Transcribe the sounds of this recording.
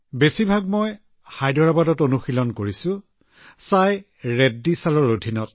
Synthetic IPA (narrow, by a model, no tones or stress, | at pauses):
besibʱaɡ̚moj | hajdʱɔɹabadɔtonuxilɔnkoɹisʊ̃ | saj | ɹedːisalɔɹodʱinɔt